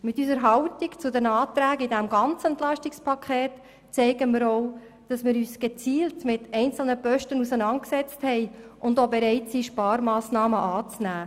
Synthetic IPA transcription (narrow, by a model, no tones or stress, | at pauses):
mɪtyːsəɾɦɑʊtikt͡sʊdɛnɑːtɾæːɡidɛmɡɑnt͡sɛntlɑʃtikspʰɑkʰɛːt | t͡sɛɪɡəmiːɾoʊ | d̥ɑsmɪːɾyːsɡ̥et͡siːltmɪtʰɛɪnt͡sl̩nəpœʃtənusənɑnt̚ksɛt͡sthɛɪʔʊndobeɾɛɪtsiːʃpɑːɾmɑːsnɑːməʔɑːt͡snæː